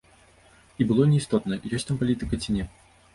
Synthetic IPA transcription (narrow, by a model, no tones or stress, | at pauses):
ibɨlˠɔnʲɛist̪ɔt̪nɐjɔsʲt̪ampalʲit̪ɨkɐt͡sʲinʲɛ